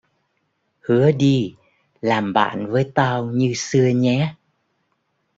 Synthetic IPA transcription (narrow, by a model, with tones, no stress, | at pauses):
hɨ˨˦əɗi˧ | laː˨˩mɓa̰ː˧˨nvəː˨˦jt̪a˧wɲɨ˧sɨ˧əɲɛ˨˦